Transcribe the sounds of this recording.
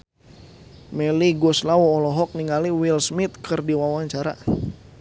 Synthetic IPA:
mɛliɡɔslawɔːlɔɦɔk̚niŋaliwilsmit̪̚kʰərdiwawaɲt͡ʃaɾa̰

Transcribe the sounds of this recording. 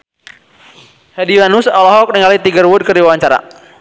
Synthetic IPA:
hadiwanusalɔɦɔk̚niŋalit̪iɡərwʊd̚kərdiwawaɲt͡ʃaɾa̰

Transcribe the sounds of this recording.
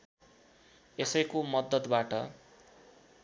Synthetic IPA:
esʌjkomʌd̪ʌt̪baʈʌ

